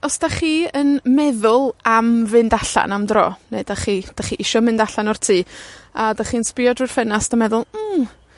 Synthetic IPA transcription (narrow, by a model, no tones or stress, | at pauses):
ɔsd̥aχiːənmɛðʊlˠamvɨndaɬa̰namdrɔ̰ːneɨdaχiːd̥aχiːʔɪʃɔmɨndaɬanɔrtʰiːadaχiːənspɪɔdrɨr̥fɛnasd̥amɛðʊlˠm̩ː